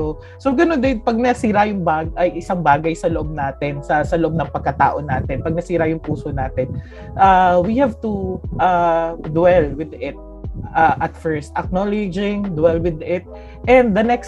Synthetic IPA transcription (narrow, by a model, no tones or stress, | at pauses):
o | soɡɐnond̪ɪnpɐɡ̚nɐsiːɾɐjʊŋbaːɡʔɐjʔɪsaŋbaːɡɐjsɐloʔob̚naːt̪ɛnsɐsɐloʔo̞b̚nɐŋpɐɡ̚kɐt̪a̰ːʔonaːt̪ɛnpɐɡ̚nɐsiːɾɐjʊŋpuːsonaːt̪ɛn | ʔawihɛvt̪uʔad̪wɛlwɪd̪ɪt̪̚ | ʔaʔɐt̪fɛɹst̪ʔɐk̚nolɪd͡ʒɪŋd̪wɛlwɪd̪ɪt̪̚ | ʔɛ̃nd̪ːɐnɛks